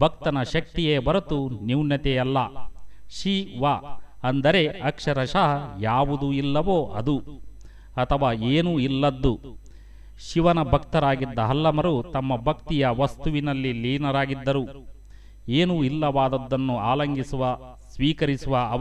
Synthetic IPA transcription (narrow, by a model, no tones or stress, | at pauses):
bʱɐk̚t̪ɐnɐʃɐk̚t̪ijeːbɐɾɐt̪uniwnjɐt̪ɛjɐlːɐʃiʋaːɐnd̪ɐɾe̞ɐkʂɐɾɐʃɐɦɐjaːʋud̪uilːɐʋoːʔɐd̪u | ɐt̪ʰɐʋaːeːnuilːɐd̪ːu | ʃiʋɐnɐbʱɐk̚t̪ɐɾaːɡid̪ːɐɦɐlːɐmɐɾut̪ɐmːɐbʱɐkt̪ijɐʋɐst̪uʋinɐlːiliːnɐɾaːɡid̪ːɐɾu | eːnuilːɐʋaːd̪ɐd̪ːɐnːuaːlɐŋɡisuʋɐ | sʋiːkɐɾisuʋɐɐ